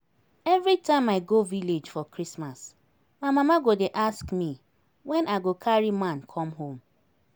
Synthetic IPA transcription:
ɛvɾitãɪ̃maɪɡoviled͡ʒfɔkɹismas | mamãmaɡodeʔaskmi | wɛ̃naɪɡokʰaɹimãnkʰɔmɦõm

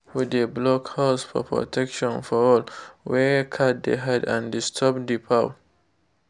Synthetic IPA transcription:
wideblɔkhaʊsfɔ̰pʰɹɔ̰tʰɛkʃɔ̃nfɔɔlwɛkʰat̚d̪ḛɦadãndistʰɔp̚dipʰa

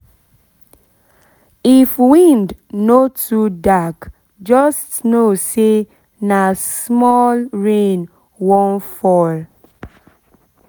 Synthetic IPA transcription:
ifwĩndnotʰudak | d͡ʒɔstnose | nasmɔlɹẽn | wɔ̃nfɔl

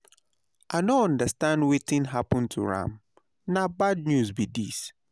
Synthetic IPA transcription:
ʔanoɔ̃ndəstãndwetɪ̃nɦapɔ̃ntʰṵɹã̰m | nabad̚njusbidis

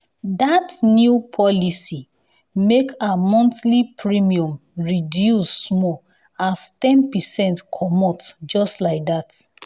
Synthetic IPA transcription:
datnjupʰɔlisi | mekamɔ̃ntlipʰɹimiɔ̃mɹidjusːmɔ | astɛ̃npɛsɛ̃ntkʰɔmɔtd͡ʒɔstlaɪk̚dat

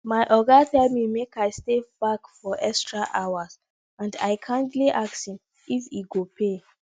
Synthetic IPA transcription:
maɪʔɔɡatɛlmimekaɪsteb̥akfɔʔɛkstɹaʔaʊas | ãnda̰ɪkʰãntliʔaksĩn | ifiɡopʰe

